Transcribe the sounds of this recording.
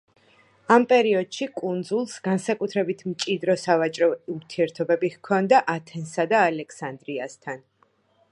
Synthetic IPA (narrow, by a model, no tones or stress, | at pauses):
ampʼɛɾiɔd̪̥ʃikʼund̪zulˠsɡansakʼut̪ʰɾɛbit̪ʰmt͡ʃʼid̪ɾɔsavat͡ʃʼɾɔuɾt̪ʰiɛɾt̪ʰɔbɛbihkʰɔnd̪aʔat̪ʰɛnsad̪aːlɛkʰsand̪ɾiast̪ʰan